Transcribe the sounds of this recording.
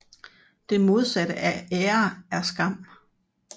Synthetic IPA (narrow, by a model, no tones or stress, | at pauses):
d̥e̝mo̝ð̞ˠsæɾ̥əʔæɛːɐæɐsɡ̥ɑ̈m̰